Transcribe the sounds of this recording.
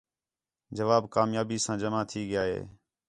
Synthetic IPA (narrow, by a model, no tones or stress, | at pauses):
d͡ʒəʋaːbkaːmjaːbiːsãːd͡ʒəmaːt̪ʰiːɡɪjaːɦḛː